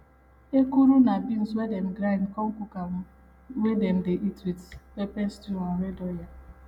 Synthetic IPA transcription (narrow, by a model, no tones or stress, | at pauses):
ekuɾunabinswedɛm̩ɡɾãnkɔm̩kuka | wedɛm̩deʔitwidwepɛnstuaɾedɔja